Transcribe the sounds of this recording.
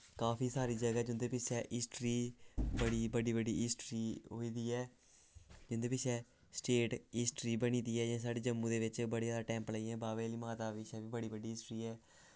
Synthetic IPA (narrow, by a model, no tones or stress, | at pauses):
kaːfiːsaːɾiːd͡ʒəɡaɛd͡ʒʊ̃nd̪eːpɪt͡ʃʰɛːʔɪsʈɾiːbəɽiːbəɖiːbəɖiːɪsʈɾiːɦoːiːd̪iːɛː | d͡ʒʊnd̪eːpɪt͡ʃʰɛː | sʈeːʈɪsʈɾiːbəñiːd̪iːɛːd͡ʒãːsaːɖeːd͡ʒəmːũːd̪eːʋɪt͡ʃbəɽeːaːd̪aːʈɛ̃ːmpləiːɛ̃ːbaːʋeːliːmaːt̪aːʋɪt͡ʃʰɛːbiːbəɽiːbəɖiːɪsʈɾiːɛː